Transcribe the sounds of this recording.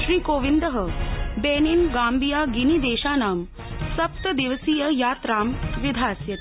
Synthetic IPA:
ʃɾiːkoːʋind̪əɦɐbeːninɡaːmbijaːɡinid̪eːʃaːnaːm | sɐp̚t̪ɐd̪iʋəsiːjɐjaːt̪ɾaːmʋid̪ʱaːsjɐt̪

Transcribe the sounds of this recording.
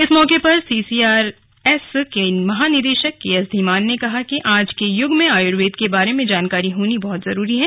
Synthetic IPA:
ɪsmɔːkepɐɾsiːsiːaːɾ | ɛskemɐɦaːnɪd̪eːʃəkkːeɐsd̪ʱimaːnːekɐɦakiʔaːd͡ʒkejʊɡmẽaːjʊɽʋeːd̪kebaːɾemẽd͡ʒaːnkaːɾiɦoːnibɔɦʊt̪zɐɾuːɾiɦɛː

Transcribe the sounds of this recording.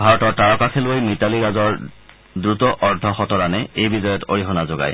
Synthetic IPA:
bʱaɹɔtɔɹtaɹɔkakʰelojmitaliɡazɔɹ | dɹutɔʔɔɹdʱɔxɔtɔɹanɛejbizɔjɔto̰ɹiɦɔnazoɡa̰j

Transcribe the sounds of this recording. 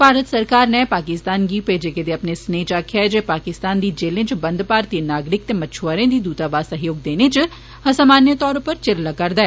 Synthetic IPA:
paːɾət̪səɾkaːɾneːpaːkɪst̪aːnɡiːpeːd͡ʒeked̪eːəpnesneːt͡ʃaːkʰjaɛd͡ʒeːpaːkɪst̪aːnd̪iːd͡ʒeːlẽːt͡ʃbə̃nd̪paːɾt̪inaːɡɾɪk̚t̪eːmət͡ʃʰoaːɾẽːd̪iːd̪uːt̪aːbaːsəɦjoːɡ̚d̪eːneːt͡ʃ | əsamaːnjət̪ɔːɾpəɾt͡ʃɪɾlakəɾd̪aɛː

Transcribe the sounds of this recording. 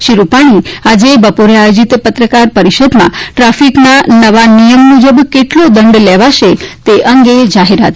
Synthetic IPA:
ʃiɾupaɽ̃iad͡ʒebəpoɾeajod͡ʒit̪pət̪ɾəkaɾpəɾiʃəd̪mã̰ʈɾafiknanəʋanijəmːud͡ʒəbkeʈlod̪əɳɖlɛʋaʃet̪eʔəŋɡed͡ʒaɦeɾat̪

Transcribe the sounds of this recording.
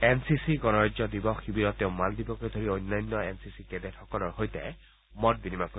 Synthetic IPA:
ɛnsisiɡɔnɔɹɔzɔdibɔxːibiɾɔtːeʊ̃maldibɔkojdʱoɹiojnːɔjnːɔɛnsisikɛdɛtxɔkɔlɔɹɦojtɛ̰ | mɔt̚binimapu

